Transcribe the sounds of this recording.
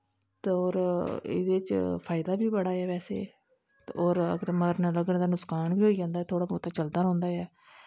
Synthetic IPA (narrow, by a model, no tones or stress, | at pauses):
t̪eoːɾɪ̰d̪eːt͡ʃpʰaːɪd̪aːbiːbəɽaːɛːʋɛːsḛː | oːɾə̰ɡəɾməɡəɾnãːləɡɽ̃d̪aːnʊskaːnbiːɦoːiːd͡ʒãːnd̪aːɛːt̪ʰoːɽaːpɔːt̪aːt͡ʃəld̪aːɾõːnd̪aːɛː